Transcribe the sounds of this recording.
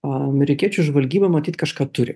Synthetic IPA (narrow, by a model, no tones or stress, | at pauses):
ɐmʲɛɾʲɪkʲiɛt͡ʃʲʊʒʋɐlʲɡʲiːbɐmɐt̪ʲiːt̪kɑʃkɑːt̪ʊɾʲɪ̰